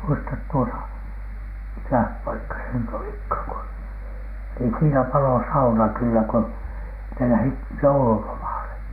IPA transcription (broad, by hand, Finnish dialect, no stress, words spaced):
muistɑt tuotɑ mikæh pɑikːɑ se nyt olikhɑˑŋ ku niːn siːnæ pɑlo sɑunɑ kylːæ ko ne læhit joululomɑˑle